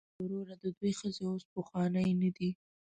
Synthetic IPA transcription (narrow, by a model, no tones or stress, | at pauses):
ʊɾoɾad̪əd̪wejxəzeospəxwɑnəjnad̪i